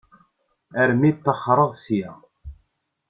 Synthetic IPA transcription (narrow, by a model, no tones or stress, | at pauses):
æɾmit̪ːəχːɾˤəʁsjæ